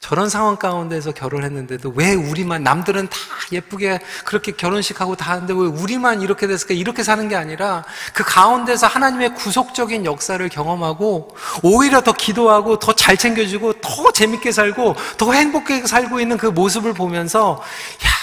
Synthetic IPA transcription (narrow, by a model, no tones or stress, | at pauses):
t͡ɕʌɾʌnsʰaŋɦwaŋk͈aunde̞s̬ʰʌkjʌɾoɭɦe̞nːɯnde̞dowe̞uɾimanːamdɯɾɯntḁje̞p͈uɡe̞kɯɾʌkʰe̞kjʌɾonɕʰi̥kʰaɡotanɯnde̞we̞uɾimaniɾʌkʰe̞dwes̬͈ʰɯɭk͈aiɾʌkʰe̞s̬ʰanɯnɡe̞aɲiɾakɯkaunde̞sʰʌhanaɲime̞kusʰok̚t͡ɕ͈ʌɡinjʌk̚s͈aɾɯɭkjʌŋʌmɦaɡo | oiɾjʌtʌkidoɦaɡotʌt͡ɕaɭt͡ɕʰe̞ŋɡjʌd͡ʑiɡotʌt͡ɕe̞mik͈e̞sʰaɭɡotʌhe̞ŋbokʰesʰaɭɡoinːɯnkɯmos̬ʰɯbɯɭpomjʌnsʰʌ | ja